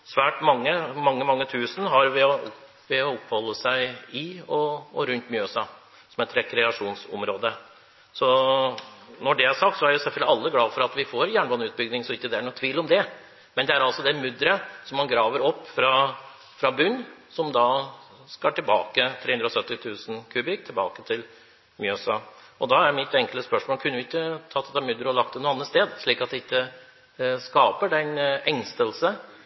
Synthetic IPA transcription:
sʋæːʈmɑŋːəmɑŋːəmɑŋːət̪ʰʉːsənɦɑɾʋɪɔ | ʋɛɔɔpːhɔlːəsæɪɪɔɔɾʉnt̪mjøːsɑ | sɔmɛt̪ɾɛkʰɾɛɑʂuːnsɔ̰mɾoːd̪ə | sɔ | nɔɖɛæʂɑk̚t̪sɔæɾjʊsɛlfœɡ̪lɪɑlːəɡlɑːfɔɾɑt̪ʋɪfoɾjæːɳəʋɑnːʉːt̪̚bʏɡd̪ɪŋsɔɪkːəd̪ɛæɳut̪ʰʋiːlɔmd̪ɛ | mɛnd̪ɛæɾɑlsɔd̪ɛmʉd̪ɾəsɔmɑnɡɾɑːʋəɾɔpːfɾɑ | fɾɑbʉnːsɔmd̪ɑ | skɑʈʰɪlbɑ̰ːkət̪ʰɾeːʉnd̪ɾɔsœt̪ːɪt̪ʰʉːsn̩kʰʉːbɪkt̪ʰɪlbɑ̰ːkət̪ʰɪl | myːɛsɑ | ɔd̪ɑæɾmɪt̪ɛŋkələspœʂmoːlkʰʉnːəjʊɪkːət̪ʰɑt̪ʰːɛt̪ːɑmʉd̪ɾəɔlɑk̚t̪ɛnuəɑnːət̪st̪eːd̪ʂɭiːkɑt̪̚d̪ɛɪkːə | skɑːpəɖɛnɛŋst̪əlsə

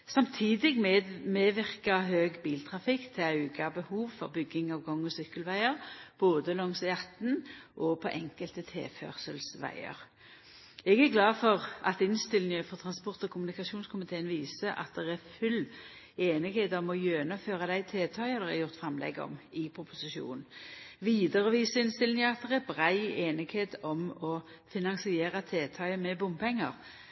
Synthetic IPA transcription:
sɑmt̪ʰiːd̪ɪɡmeːʋɪʁkɑɦøːɡbiːlt̪ʰʁɑfɪkt̪ʰɪɑʉɡɑbəhuːʋfɔʁbʏɡːɪŋɑːʋɡɔŋːɔsʏkːəlʋæɪəʁb̥oːd̪əlɔŋsjɑt̪nʔɔpʰɔʔɛŋkəlt̪ət̪ʰḛːfœ̰ːʁsəlsʋæ̰ɪə̰ʁ | ɛɡæʁɡlɑːfɔʁʔɑt̪ɪnst̪ɪlɪnəfɔʁt̪ʰʁɑnspɔʁt̪ɔkʰʊmʉnɪkɑʃuːnskʰʊmɪt̪ʰeːənʋiːsəʔɑ̰t̪̚d̪ɛʁæɾfʉl | eːnɪɡheːt̪ɔmɔjøːnɑføːʁɑd̪æɪt̪ʰeːt̪ʰɑʏəd̪ɛɛɾjʊʁt̪fɾɑmlɛ̰ɡɔ̰mɪpʰɾʊpʊsɪʃṵːnnʋiːd̪əʁəʋiːsəɪnst̪ɪlnɪŋəɑt̪̚d̪ɛʁæɾbʁæɪeːnɪɡheːt̪ɔmɔ | fɪnɑŋsɪeːʁɑt̪ʰeːt̪ʰɑʏəmɛbʊmpʰɛŋːəʁ

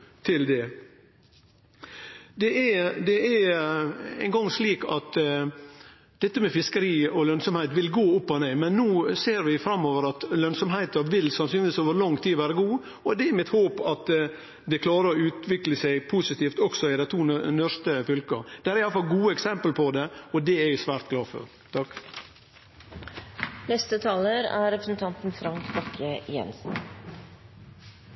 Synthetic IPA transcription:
t̪ʰɪld̪ɛ | d̪ɛɛd̪ɛɛ | æ̰ɪŋɡɑŋːsliːkɑt̪ | d̪ɛt̪ːəmɛfɪskəɾiːɔlœnsɔmhæɪt̪ʋɪlɡoːʊpːɔneːmɛnːuːseːɾʋɪfɾɑmːoːʋəɾɑt̪lœnsɔmɦæɪt̪ɑɾʋɪlsɑnsyːnʋiːsoːʋəɾɭɑŋt̪ʰiːʋæːɾəɡuː | ɔd̪ɛɛɾmɪt̪hoːpɑt̪ | d̪ɛkʰlɑːɾəɾɔʉːt̪ʋɪkləsæɪpʰusɪt̪iːft̪ɔksɔɪd̪æɪt̪ʰuːnœɾst̪əfʏlkə̰d̪̥ɛæɾɪjɑlːəfɑlɡuːəɛksɛmpəlpʰɔd̪ɛɔd̪ɛæɾjʊsʋæːɾt̪ɡlɑːfɔ̰ɾ | t̪ʰɑkː | nɛst̪ət̪ʰɑːləɾæ̰ɾɛpɾəsn̩t̪ʰɑnt̪n̩fɾɑŋkbɑkʰəjɛ̰nsn̩

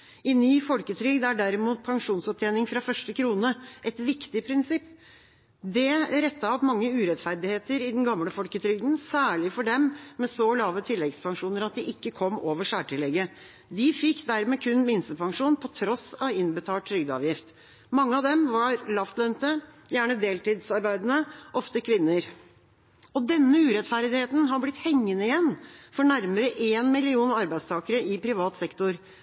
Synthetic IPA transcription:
ɪnyːfɔlkət̪ʰɾʏɡd̪æɖæɾɪmuːt̪̚pʰɑŋʂuːnsɔp̚t̪ʰjɛːnɪŋfɾɑfœʂʈəkʰɾuːnəʔɛt̪ʋɪkt̪ɪpʰɾɪnsɪpː | d̪ɛɾɛt̪ːɑɔpmɑŋːəʉːɾɛt̪fæɾd̪ɪheːt̪əɾɪd̪n̩ɡɑmləfɔlkət̪ʰɾʏɡd̪n̩sæːɭɪfɔɖɛmmɛsɔlɑːʋət̪ʰɪlːɛɡspʰɑŋʂuːnəɾɑt̪̚d̪ɪʔɪkːəkʰɔmːoːʋəʂæːʈɪlɛɡə | d̪ɪfɪkːd̪æɾmɛkʰʉnmɪnst̪əpʰɑŋʂuːnpʰɔt̪ʰɾɔsɑʋɪnbət̪ʰɑːlʈ̪ʰɾʏɡd̪əɑ̰ːʋjɪft̪ | mɑŋːəɑʋd̪ɛmʋɑɾlɑft̪lœnt̪ə | jæːɳəd̪eːlt̪iːd̪sɑɾbæɪd̪nəʔɔft̪əkʰʋɪnːəɾ | ɔd̪ɛnːəʉːɾɛt̪fæɾd̪ɪheːt̪n̩ɦɑɾblɪt̪hɛŋːənəɪjɛnːfɔɳæɾməɾəʔeːnmɪlɪuːnɑɾbæɪd̪st̪ʰɑːkəɾəʔɪpʰɾɪʋɑːt̪sɛkt̪ʊɾ

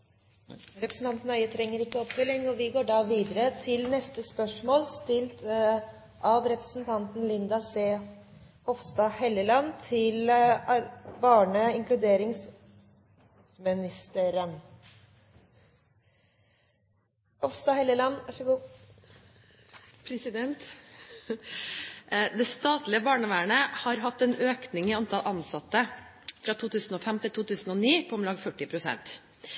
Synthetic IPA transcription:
ɾɛpɾəsn̩t̪ɑnt̪nœʏət̪ʰɾɛŋːəɾɪkːəɔpfœlːɪŋːɔʋɪɡoːɖɑːʋiːd̪əɾət̪ʰɪlnɛst̪əspœʂmoːlst̪ɪlt̪ | ʔɑʋɾɛpɾə̥snt̪ʰɑnt̪n̩lɪnd̪ɑseː | hɔfst̪ɑːhɛləlɑnt̪ʰɪl | bɑːɳəɪŋklʉd̪eːɾɪŋs | mɪnɪst̪əɾən | ɔfst̪ɑːhɛləlɑnːʋɑʂəɡuː | pʰɾɛsɪd̪ɛnt̪ | d̪ɛst̪ɑːt̪lɪəbɑːɳəʋæːəɳəhɑɾɦɑt̪ːɛnøːknɪŋɪɑnt̪ʰɑlʔɑnsɑt̪ːə | fɾɑːt̪ʰuːt̪ʰʉːsn̩oːfɛmt̪ʰɪlt̪uːt̪ʰʉːsn̩ɔniːpʰɔɔmlɑːɡfœʈːɪpʰɾʊsɛ̰nt̪

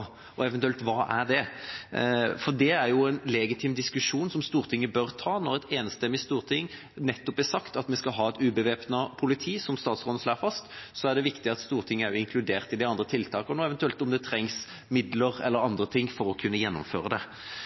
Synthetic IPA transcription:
ɔɛʋɛnt̪ʉɛlt̪ʋɑːʔæʁɖ̪ɛ | fɔd̪ɛæɾjʊɛnlɛɡɪt̪ʰɪmd̪ɪskʉʂuːnsɔmst̪uːʁt̪ʰɪŋːəbœɾt̪ʰɑːnɔɾɛt̪eːnst̪ɛmːɪst̪uːʁt̪ʰɪŋː | nɛt̪ːɔpæsɑkt̪ɑt̪mɛskɑɦɑːɛt̪ʉːbəʋeːpnɑpʰʊlɪt̪ʰiːsɔmst̪ɑːt̪sʁoːd̪əsloːfɑst̪sɔæʁɖ̪ɛʋɪkt̪ɪɑt̪st̪uːʁt̪ʰɪŋːəæɾjʊɪŋkʰlʉd̪eːʁt̪ɪd̪ɪɑnd̪ɾət̪ʰɪlt̪ʰɑːkənoːɛʋɛnt̪ʉɛlt̪ɔmd̪ɛt̪ʰɾɛŋs | mɪd̪ləʁɛlːəɾɑnd̪ɾət̪ʰɪŋːfɔɾɔkʰʉnːəjɛnːʊ̰mfø̰ːɾəd̪ɛ

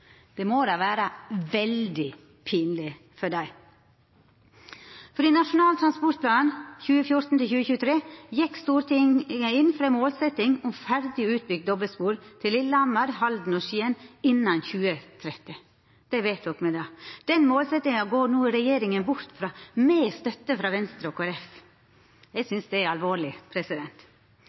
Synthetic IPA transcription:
d̪̥ɛmoːɾɑʋæːɾəʋɛld̪ɪ | pʰiːnlɪ | fɔɖæɪ | fɔɾɪnɑʂʊnɑːlət̪ʰɾɑnspɔɾt̪plɑːnnçʉːəfjʊɾt̪n̩t̪ʰɪlçʉːəçʉːət̪ʰɾeːjɛkːst̪uːɾt̪ɪəɪnːfɾɑɛnmoːlsɛt̪ɪŋʊmfæɾd̪ɪʉːt̪̚bʏɡ̪̚d̪ɔbəlspuːɾt̪ʰɪlɪlːəɑnmɑɾhɑld̪n̩ɔʃiːənɪnːɑnçʉːət̪ʰɾɛt̪ːɪ | d̪̥ɛʋeɪt̪ʋɔkːmɛd̪ɑːd̪̥ɛnmoːlsɛt̪ɪŋɑɡoːɾnuːɪɾɛjeːɾɪŋənbʊɾt̪fɾɑːmeːst̪œt̪ːəfɾɑːʋɛnst̪ɾəɔːkʰoːɾɛf | jɛɪsʏnsd̪ɛæɾɑlʋoːɾɭɪpʰɾɛsɪd̪ɛnt̪

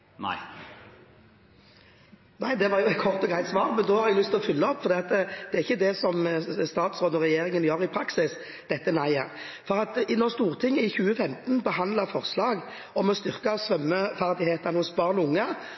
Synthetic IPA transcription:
na̰ɪ | næɪd̪ɛʋɑːɾjʊɛt̪̚kʰɔʁt̪ɔɡʁæɪt̪sʋɑːʁmɛnd̪oːhɑɾɛɡlʏst̪ɪlɔfʏlːəɔpːfɔd̪iːɑt̪əd̪̥ɛæɾʁɪçːəd̪ɛsɔmst̪ɑːt̪sʁoːd̪ɔʁɛjeːɾɪŋənjøːɾɪpʰɾɑksɪs | d̪̥ɛt̪ːənæɪæʁ | fɔɾɑt̪nɔʁst̪uːʁt̪ʰɪŋːəɪçʉːəfɛmt̪nbəɦɑnd̪ləʁfɔʁslɑːɡ | ɔmɔst̪ʏʁkɑsʁœmːəfæʁd̪ɪheːt̪ɑnəhʊsbɑːʁnɔʊŋːə

